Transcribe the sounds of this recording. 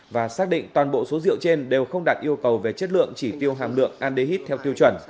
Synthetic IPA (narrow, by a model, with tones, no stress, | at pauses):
vaː˨˩saː˦˥k̚ɗḭ̈˧˨ŋ̟t̪waː˨˩nɓo̰˧˨so˨˦zḭ˧˨əwt͡ɕe˧nɗe˨˩wxə˧wŋ͡mɗaː˨˩t̚ʔi˧əwkə˨˩wve˨˩t͡ɕə˦˥t̚lɨ̰˧˨əŋt͡ɕi˧˩t̪i˧əwɦaː˨˩mlɨ̰˧˨əŋʔaː˧nɗe˧ɦi˦˥t̚t̪ʰɛ˧wt̪i˧əwt͡ɕwə˧˩n